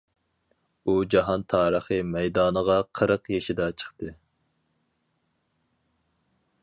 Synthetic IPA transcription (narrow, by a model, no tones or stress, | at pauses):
ud͡ʒɑɦɑnt̪ʰɑːɾəχɨmɛjd̪ɑːnəʁɑqʰəɾəqjeʃid̪ɛt͡ʃʰə̥χt̪ʰɨ